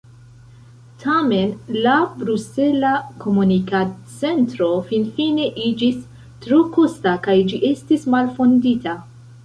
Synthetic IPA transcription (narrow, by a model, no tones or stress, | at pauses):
tʰame̞nlabɾuse̞lako̞munikat̚t͡se̞ntɾo̞finfine̞ʔid͡ʒis | tɾokostakajd͡ʒiʔe̞stismalfo̞ndita